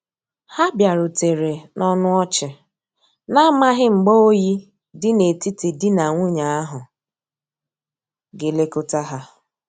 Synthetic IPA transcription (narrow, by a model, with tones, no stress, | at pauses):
ha˦bja˨ɾʊ˨te˨ɾe˨nʔɔ˦nʊ˦ɔ˦t͡ʃɪ˨ | na˦ma˦ɦɪ˦ŋ͡m̩˨ɡ͡bo˦o˦ji˦ | dɪ˦ne˨ti˦ti˨dɪ˦na˨ŋʷʊ˦ɲa˨a˦ɦʊ˨ | ɡe˨le˦kʊ˦ta˦ɦa˦